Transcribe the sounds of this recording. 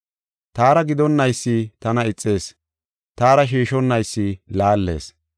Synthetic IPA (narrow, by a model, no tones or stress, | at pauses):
t̪aːɾɐɡɪd̪ɔnːɐjsːit̪ɐnɐɪt͡sʼːe̞ːs | t̪aːɾɐʃ̬iːʃɔnːɐjsːilaːlːe̞̰ːs